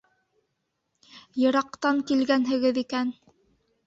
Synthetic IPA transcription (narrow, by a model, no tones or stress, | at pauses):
jɤ̆ɾɑqt̪ɑŋkilɡænɦɘ̆ɡɘðikæn